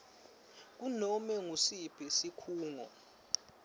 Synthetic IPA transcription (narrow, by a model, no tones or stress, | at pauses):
k̬unɔmɛŋusib̥ʱisikʰuːŋɔ̰